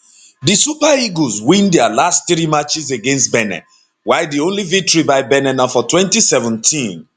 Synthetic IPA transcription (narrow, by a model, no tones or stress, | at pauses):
disupaiɡozwĩndɛalastθɾimat͡ʃizeɡẽnstbɛnɛ̰̃ | waɪdiõnlivik̚tɔɹibaɪbɛnɛ̃nãfɔtwɛ̃ntisɛvə̃ntʰĩn